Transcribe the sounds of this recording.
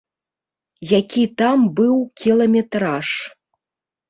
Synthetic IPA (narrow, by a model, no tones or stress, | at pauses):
jakʲit̪ambɨwkʲilˠɐmʲɛt̪ɾaʂ